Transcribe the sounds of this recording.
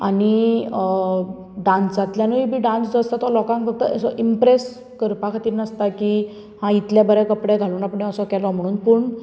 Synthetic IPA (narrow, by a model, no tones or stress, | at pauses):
a̰ni | ɖãnsat̪ljanuibʱiːɖãnsd͡zast̪at̪ɔlɔkãŋkfəɡ̚t̪ə̰əsɔʔimpɾes | kəɾpakʰat̪iːɾnəst̪aki | hãit̪ljabəɾɛkəpɽɛɡʱaluːnapɳeəsɔkɛlɔm̤əɽ̃uːnpəɳ